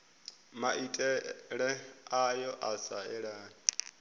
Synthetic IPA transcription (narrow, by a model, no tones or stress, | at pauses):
maʔitʼɛɺɛajɔʔasaɛɺaːn